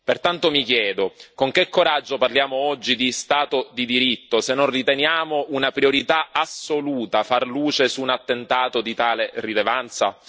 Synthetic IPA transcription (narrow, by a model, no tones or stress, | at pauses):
pert̪ant̪omik̟jɛːd̪okoŋk̟ekːoɾad͡ʒːoparljaːmoɔd͡ʒːid̪ist̪aːt̪od̪id̪iɾit̪ːosenːonrit̪enjaːmoʔunapɾioɾit̪aasoluːt̪afarluːt͡ʃesunat̪ːent̪aːt̪od̪it̪aːlerilevant̪sa̰